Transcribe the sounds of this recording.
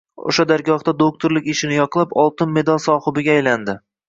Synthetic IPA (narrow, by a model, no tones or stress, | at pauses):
o̰ʃad̪aɾɡʲɒχd̪ad̪ok̚t̪ʰoɾlɪkʲɪʃɪnɪjɒqlˠapɒlˠt̪ɪnme̞d̪alˠsɒhɪbɪɡʲaːjland̪ɪ